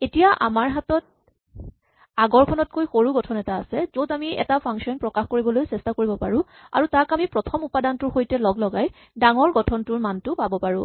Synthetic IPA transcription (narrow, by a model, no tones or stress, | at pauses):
etijaʔa̰maɹɦatɔt̚ | aɡɔɹkʰɔnɔt̚kojxoɹuɡɔtʰɔnɛtaːsɛzotamiɛ̰tapʰaŋkʃiɔnpɹɔkaxkoɹibɔlojsɛstakoɹibɔpaɹʊ̃ | a̰ɹutakamipɹɔtʰɔmupadantʊɹxojtɛlɔɡlɔɡaj | daŋɔɹɡɔtʰɔntʊɹmantʊpabɔpaɹʊ̰̃